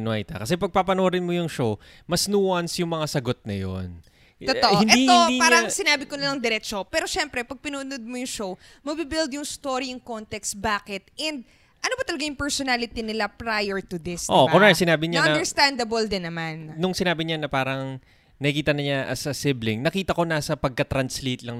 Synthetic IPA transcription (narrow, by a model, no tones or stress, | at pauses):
noa̰jt̪ɐ̰kɐsɛpɐɡ̚papɐnoːɾɪnmojʊŋʃow | mɐsnuːwɐnsjʊŋmɐŋasɐɡo̞t̪̚nɐjo̰n | t̪ot̪oʔɪnʔɛit̪od̪aːɾɐŋsɪnaːbɪkonɐlɐŋd̪ɛɾɛt͡ʃopɛːɾo̞ʃɛmpɾɛpɐɡ̚pɪnuʊnod̪̚mojʊŋʃow | mɐbiːbɪld̪jʊŋst̪oːɾiɐŋkont̪ɛksbaːkɪt̪̚ʔɛnd̪̚ | ʔɐnobɐt̪ɐlɐɡajʊŋpɛɹsonalɪt̪inɪlapɾajɛɹt̪ʊd̪ɪsʔobakoɹajt̪sɪnaːbɪɲaɐ̃ɐd̪ɛɹst̪and̪ɐbold̪ɪnːɐmannʊŋsɪnaːbɪɲanɐpaːɾɐŋ | nɐkikiːt̪ɐnɐɲa̰sɐsɪblɪŋnɐkiːt̪ɐko̞nasɐpɐɡ̚kɐt̪ɾɐnslet̪lɐŋ